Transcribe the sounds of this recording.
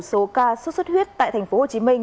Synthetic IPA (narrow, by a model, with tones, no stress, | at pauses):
so˨˦kaː˧st̚swə˦˥t̚hwi˦˥ət̚t̪a̰ː˧˨t̪ʰa˨˩ŋ̟fo˨˦ho˨˩t͡ɕi˨˦mï˧ŋ